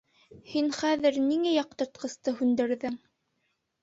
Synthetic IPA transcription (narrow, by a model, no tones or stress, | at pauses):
hinχæðɘɾniŋæjɑq̚t̪ɤ̆ɾt̪̚qɤ̆st̪ɤhʉnd̪ɘ̆ɾðɘŋ